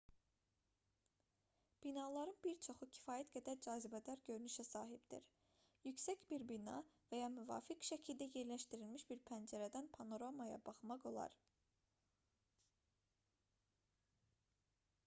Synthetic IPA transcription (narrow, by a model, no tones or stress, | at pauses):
b̥inɑlˠɑɾɯnbiɾt͡ʃʰo̞χucʰi̥fɑːjæt̪ɡæd̪æɾd͡ʒɑːzibæd̪æɾɟøɾynyʃæsɑːɦibd̪̥ḭɾ | jycsæcbiɾbinɑ̰væjɑmyvɑ̰ːfikʃæcʰilʲd̪æje̞ɾlæʃt̪iɾilmiʃb̥iɾpʰænd͡ʒæɾæd̪ænpʰɑno̞ɾamɑjɑ̰bɑχmɑqo̞lˠɑ̰ɾ